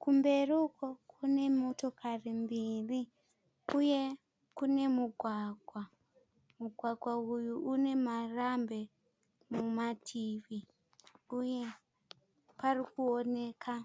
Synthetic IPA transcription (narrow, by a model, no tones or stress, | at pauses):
kumbe̞rukokune̞mo̞to̞karimbiri | uje̞ | kune̞muɡʱwaɡʱwa | muɡʱwaɡʱwaujuʔune̞marambe̞ | mumatʰiːʋi | uje̞ | parikuone̞ːkʰa